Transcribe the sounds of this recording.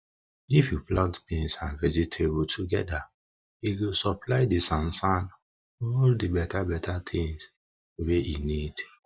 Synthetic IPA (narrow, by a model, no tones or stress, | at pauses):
ifjuplãntpẽnsãnvɛd͡ʒitʰebutʰuɡɛda | iɡosɔplaɪdisãnsãn | ɔldibɛtabɛtʰatʰĩŋs | weinid̥